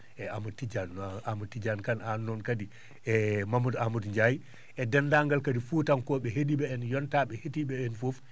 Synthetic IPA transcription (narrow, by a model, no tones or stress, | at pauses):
ɛamutːid͡ʒanːamutːid͡ʒankananːɔnkadi | ɛmamudamudɲd͡ʒaji | ɛdɛndaŋɡalkadifuːtankɔɓɛɦediɓɛɛnjɔntaɓɛhetiɓɛɛnfof